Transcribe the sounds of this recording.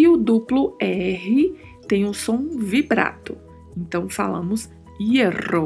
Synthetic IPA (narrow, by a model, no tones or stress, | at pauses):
ɪʊd̪uplʊɛɦɪ | t̪ẽj̃ũsõw̃vibɾa̰t̪ʊ | ẽnt̪ɐ̃w̃fa̰lɐ̰̃mʊs | iero